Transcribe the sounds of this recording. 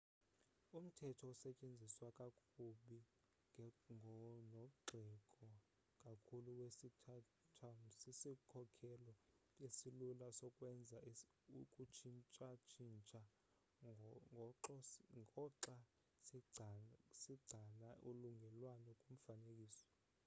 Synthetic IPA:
um̩tʰɛtʰɔusɛt͡ʃʼend͡zʱiswakʼakʰʼuɓi | ŋnɔɡ͡ǃʱɛkʼɔ | kʼakʰuluwesitʰa | tʰamsisikʰɔkʰɛlɔ | esilulasɔkʼwɛnd͡zʱa | ukʼut͡ʃʰint͡ʃʼat͡ʃʰint͡ʃʼa | ŋʱɔǁɔŋɔǁa | s | siɡ͡ǀʱalaʔuluŋɡʱɛlwanɛkʼum̩fanek̬ʼiːsɔ̥

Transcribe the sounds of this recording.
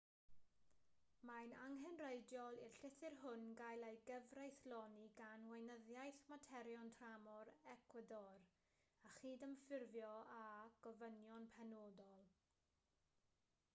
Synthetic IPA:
majnaŋɦɛnrejdjɔlˠirɬɪθɪrɦʊnɡajlˠejɡəvrejθlɔniɡanwejnəðjajθmatʰɛɾjɔntʰramɔɾɛkʰwədɔr | aχiːdəmfɪrvjɔaɡ̥ɔvənjɔnpʰɛnoːdɔlˠ

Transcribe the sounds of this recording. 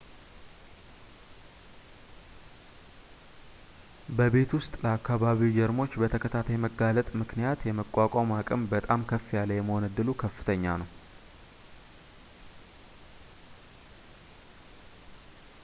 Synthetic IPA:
bəbe̞t̪wʊst̪ʼləakːaβaβid͡ʒɛɾmo̞t͡ʃːbət̪ʰəkʰət̪ʰat̪ʰəjməɡalət̪ʼmɨknijat̪jɛməkʷʼːakʷʼamakʼɨmbət̪ʼamkʰəfːijalːəjɛməhonəd̪ːɨlukʰəfːɨ̥t̪ʰəɲːanəw

